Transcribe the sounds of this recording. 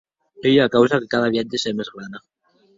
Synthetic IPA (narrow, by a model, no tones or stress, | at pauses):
eʎeakawsakekaðaβjat̪esemezɣɾana